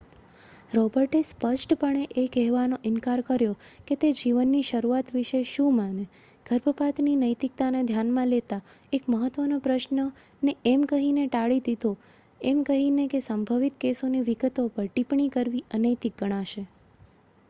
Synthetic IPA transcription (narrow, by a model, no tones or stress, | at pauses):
ɾɔbəɾʈespəʃʈpəɳ̃eʔekɛɦʋanoʔɪnkaɾkəɾjoket̪ed͡ʒiʋənːiʃəɾuat̪ʋɪʃeʃũmãne | ɡ̥ʱəɾbʱəpat̪ninəjt̪ik̚t̪anad̪ʱjanmãlet̪aekməɦət̪ʋənopɾəʃnə | neɛmkəɦineʈaɭid̪id̪ʱo | ɛmkəɦinekesəmbʱəʋit̪kesoniʋiɡət̪opəɾʈipɳikəɾʋiʔənəjt̪ik̚ɡəɽ̃aʃe